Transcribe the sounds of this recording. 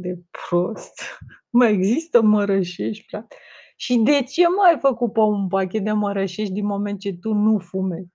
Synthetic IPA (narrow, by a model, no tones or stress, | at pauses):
d̪epɾost̪ | məeɡzist̪əməɾəʃe̞ʃt̪ʲpɾat̪ | ʃid̪e̞t͡ʃe̞məajfəkupounpak̬ʲe̞t̪̚d̪eməɾəʃe̞ʃt̪̚ʲd̪inmo̞me̞nt̪̚t͡ʃe̞t̪unufumezʲ